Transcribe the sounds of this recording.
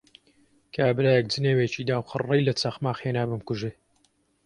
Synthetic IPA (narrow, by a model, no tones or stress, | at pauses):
kʰaːbɾaːjɛk̚d͡zɨneːwet͡ʃid̪aːwqɨ̰rːejlɐt͡sɐxmaːxeːnaːbɨmkuʒeː